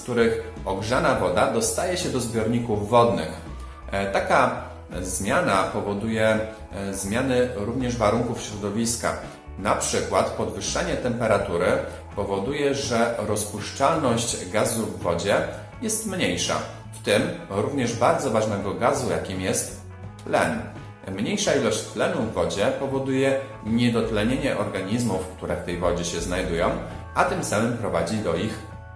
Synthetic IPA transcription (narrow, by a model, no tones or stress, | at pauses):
kt̪uɾɘxɔɡʐanavɔd̪ad̪ɔst̪ajɛɕɛd̪ɔzbʲjɔɾɲikuvːɔd̪nɘ̰x | t̪aka | zmʲjanapɔvɔd̪ujɛ | zmʲjanɘɾuvɲɛʐvaɾuŋkufɕɾɔd̪ɔvʲiska̰ | napʂɘkwat̪pɔd̪vɘʂːaɲɛt̪ɛmpɛɾat̪uɾɘ | pɔvɔd̪ujɛʐɛɾɔspuʂt͡ʂalnɔɕt͡ɕɡazuvːɔd͡ʑɛ | jɛst̪mɲejʂa̰ | ft̪ɘmɾuvɲɛʐbaɾd̪zɔvaʐnɛɡɔɡazuja̰kʲimjɛst̪ː | lɛ̰n | mɲejʂailɔɕt͡ɕt̪lɛnuvːɔd͡ʑɛpɔvɔd̪ujɛ | ɲɛd̪ɔt̪lɛɲeɲɛʔɔɾɡaɲizmufkt̪uɾɛft̪ɛjvɔd͡ʑɛɕɛznajd̪ujɔ̃w̃ʔat̪ɘmsamɘmpɾɔvad͡ʑid̪ɔix